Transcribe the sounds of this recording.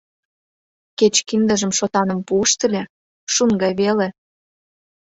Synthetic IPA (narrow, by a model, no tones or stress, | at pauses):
ket͡ɕkind̪ə̆ʒə̆mʃot̪ɑnə̆mpuəʃt̪ə̆lʲe | ʃuŋɡɑjβele